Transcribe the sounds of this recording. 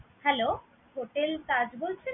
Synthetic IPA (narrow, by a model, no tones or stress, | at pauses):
hɛlo | ɦoʈelkad͡ʑbolt͡ɕʰe